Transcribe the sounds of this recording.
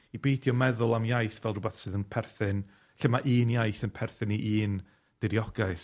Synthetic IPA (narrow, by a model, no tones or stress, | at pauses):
ibejdjɔmɛðʊlˠamjajθvɛlˠrʊbaθsɨːðənpʰɛrθɨn | ɬəmaʔiːnjajθənpʰɛrθɨniʔiːn | d̥ɪɾjɔɡ̥aɨθ